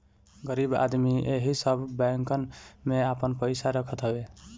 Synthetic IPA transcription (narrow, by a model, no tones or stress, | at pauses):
ɡəɾiba̰d̪mieɦisəbʱbɛ̃ŋkənmeapənpəjsaɾəkʰət̪ɦəbe